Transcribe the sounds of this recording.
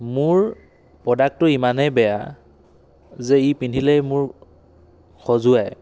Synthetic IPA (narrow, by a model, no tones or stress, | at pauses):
mʊɹ | pɔdak̚tʊimanɛbɛja̰ | zɛipindʱilɛjmʊɹ | xʰɔzʊaj